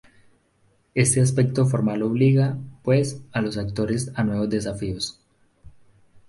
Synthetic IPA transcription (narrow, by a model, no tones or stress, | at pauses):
e̞st̪eas̬pek̚t̪o̞foɾmaloβ̞liɣapwesalo̞sak̚t̪o̞ɾesanwe̞βo̞zd̪e̞s̬afios